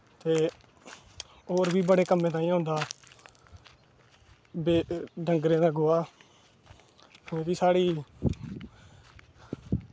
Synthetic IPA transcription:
t̪eː | oːɾbʱiːbəɽeːkəmẽːt̪ãːĩːɦõːnd̪aː | beːɖəŋɡɾẽːd̪aːɡoaː | ẽːʋiːsaːɽiː

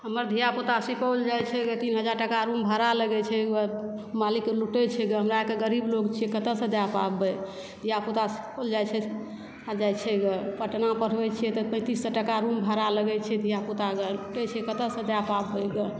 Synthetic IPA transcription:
ɦəməɾd̪ʱijaput̪asipəld͡ʒajt͡ʃʰɛɡet̪inɦəd͡ʒaɾʈəkaɾũmbʱəɾaləɡɛt͡ʃʰɛɡəmalikluʈɛt͡ʃʰɛɡəɦəmɾaekeɡəɾiblokt͡ʃʰijɛkət̪əsə̃d̪japabɛ | d̪ʱijaput̪asi̥pəld͡ʒat͡ʃʰɛ | d͡ʒajt͡ʃʰɛɡəpəʈnapəɽ̤bɛt͡ʃʰiɛt̪ɔpə̃t̪isːəʈəkaɾũmbʱəɾaləɡɛt͡ʃʰɛd̪ʱijaput̪aɡəluʈɛt͡ʃʰɛkət̪əsə̃d̪japabɛɡə

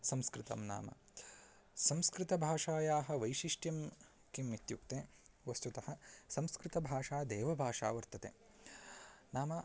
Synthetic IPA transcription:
sɐmskɾɪt̪ɐ̰mna̰ːmɐ̰ | sɐmskɾɪt̪ɐbʱaːʂaːjaːɦɐ̆ʋɐjʃiʂʈjɐm | kimːit̪juk̚t̪eː | ʋɐst̪ut̪ɐhɐsɐmskɾɪt̪ɐbʱaːʂaːd̪eːʋɐbʱaːʂa̰ːʋɐɾt̪ɐt̪ḛː | naːmɐ

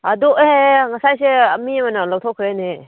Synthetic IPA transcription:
aduɦeŋasajseɐmimanalawtʰɔkʰɾene

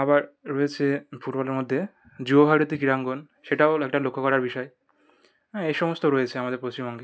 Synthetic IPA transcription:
abaɾːɔet͡ɕʰefuʈbɔleɾmod̪ʱːe | d͡ʑuboɦaɾot̪ikiɾaŋɡon | ʃeʈaoek̚ʈalokʰːokɔɾaɾbiʃɔe | ejʃɔmost̪oɾɔjet͡ɕʰeamad̪eɾpɾot͡ɕimbɔŋɡe

